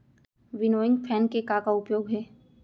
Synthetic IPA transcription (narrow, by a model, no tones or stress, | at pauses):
ʋɪnoːɪ̃ŋɡpʰɛːnkekakaʊpjoːɡɦɛː